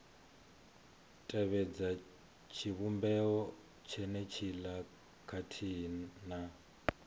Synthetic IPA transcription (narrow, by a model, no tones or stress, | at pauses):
tʼɛβɛd͡za | t͡ʃʰiβumbɛɔ | t͡ʃʰɛnɛt͡ʃʰila | kʰatʰiːna